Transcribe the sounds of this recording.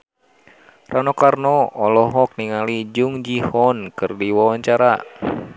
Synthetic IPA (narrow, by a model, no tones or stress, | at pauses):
rʔanɔkarnɔɔlɔɦɔk̚niŋalid͡ʒuŋd͡ʒihɔnkɨrdiwawaɲt͡ʃaɾa